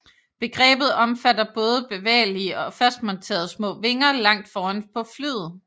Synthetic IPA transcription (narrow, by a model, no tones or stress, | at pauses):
b̥e̝ɡ̥ʁɛ̰ːb̥ð̩ˠɒ̽mfædɐb̥ɔ̽ːð̞ˠəb̥e̝ʋɛ̰ːliəɒ̽fæsd̥̚mɒ̽nt͡sʰe̝̰ɐðˠsmɔ̰̽ːʋe̝ŋɐlɑ̈ŋ̰d̥fɒːænpʰɒ̽flyð̰̩ˠ